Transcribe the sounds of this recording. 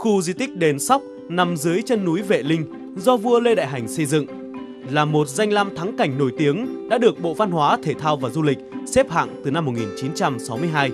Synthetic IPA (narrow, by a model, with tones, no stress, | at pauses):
xu˧zi˧t̪ï˦˥k̟̚ɗe˨˦nsa˦˥wk͡p̚ | na˨˩mzɨ˨˦əjt͡ɕə˧nːu˨˦jvḛ˧˨lï˧ŋ̟ | zɔ˧vu˧əle˧ɗa̰ː˧˨jɦa˨˩jŋ̟sə˧jzɨ̰˧˨ŋ | laː˨˩mo˨˩t̚za˧jŋ̟laː˧mt̪ʰa˨˦ŋka˨˩jŋ̟no˧˩jt̪i˨˦əŋɗa̰ː˧˥ɗɨ˨˩ək̚ɓo̰˧˨va˧nhwaː˨˦t̪ʰe˧˩t̪ʰaː˧wvaː˨˩zu˧lï˨˩k̟̚se˦˥p̚ha̰ː˧˨ŋt̪ɨ˨˩na˧mːo˨˩t̚ŋi˨˩nt͡ɕi˨˦nt͡ɕa˧msa˨˦wmɨ˧əjɦaː˧j